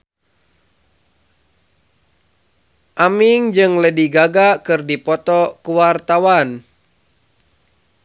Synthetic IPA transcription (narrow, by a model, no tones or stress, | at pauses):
ʔamiŋd͡ʒɨŋlədiɡaɡakɨrdipɔt̪ɔkuwart̪awan